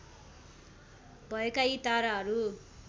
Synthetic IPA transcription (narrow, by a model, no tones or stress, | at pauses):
bʱʌekait̪aɾaɦʌɾu